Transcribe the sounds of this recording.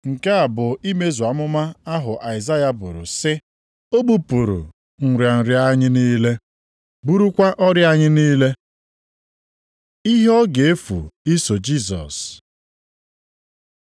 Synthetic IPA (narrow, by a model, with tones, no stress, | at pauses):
ŋ̩˨ke˦a˨bʊ˨i˦me˦zu˨a˨mʊ˦ma˦a˦ɦʊ˨ʔa˨ɪ˨za˦ja˨bʊ˨ɾʊ̰˨sɪ˦ | o˦ɡ͡bu˦pu˨ɾṵ˨ | ŋ̩˨ɾja˨n̩˨ɾja˦ɲɪ˦niː˦le˦ | bu˦ɾu˦kʷa˦ʔɔ˦ɾja˦ɲɪ˦niː˦le˦ | i˦ɦɔ˦ɡe˨e˦fṵ˨i˦so˨d͡ʒi˦˨zɔ̰˨s